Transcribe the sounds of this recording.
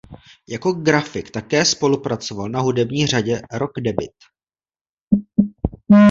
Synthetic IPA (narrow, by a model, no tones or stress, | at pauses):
jako̞ɡɾafɪkt̪akɛːspo̞lupɾat͡so̞valnaɦudɛbɲiːr̝aɟɛɾo̞ɡdɛbɪt̪